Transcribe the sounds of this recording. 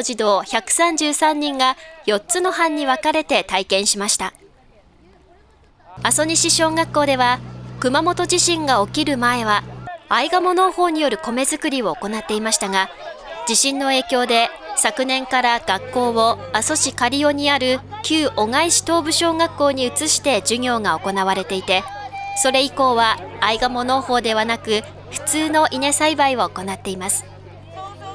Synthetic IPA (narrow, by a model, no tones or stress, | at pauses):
ʑid̪o̞ːçakɯ̟̥sãɲ̟d͡ʑɨːsãɲ̟ːĩŋɡajo̞tt͡sɨno̞ɦãɲ̟ːiβakaɾe̞t̪e̞t̪aikẽ̞ɰ̃ɕimaɕi̥t̪a | aso̞ɲiɕiɕo̞ːŋakːo̞ːd̪e̞βakɯ̟mamo̞t̪o̞ʑiɕĩŋɡao̞kʲiɾɯ̟mae̞βaaiɡamo̞no̞ho̞ːɲ̟ijo̞ɾɯ̟ko̞me̞zɨkɯ̟ɾʲio̞oko̞nat̪ːe̞imaɕi̥t̪aɡa | d͡ʑiɕĩnːo̞e̞ːkʲo̞ːd̪e̞ | sakɯ̟nẽ̞ŋkaɾaɡ̥akːo̞ːβo̞aso̞ɕikaɾʲio̞ɲ̟iaɾɯ̟kʲɨːʔo̞ŋaiɕi̥t̪o̞ːbɯ̟ɕo̞ːŋakːo̞ːɲ̟iɯ̟t͡sɨɕi̥t̪e̞d͡ʑɨɲʲo̞ːŋao̞ko̞naβaɾe̞t̪e̞it̪e̞so̞ɾe̞iko̞ːβaːiɡamo̞no̞ːho̞ːd̪e̞βanakɯ̟ | ɸɯ̟̥t͡sɨːno̞ʔine̞saibaiβaoko̞nat̪ːe̞imasɨ̥